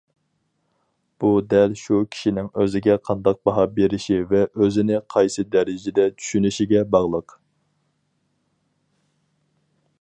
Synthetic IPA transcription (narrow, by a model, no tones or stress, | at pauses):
b̥ud̪ɛlʃukʲʰi̥ʃinɪŋøzɪɡʲɛqʰɑnd̪ɑq̚bɑɦɑbeɾɪʃivɛʔøzɪnɪqʰɑjsɨd̪ɛɾɪd͡ʒɪd̪ɛt͡ʃʰy̥ʃynyʃiɡʲɛbɑʁlˠəq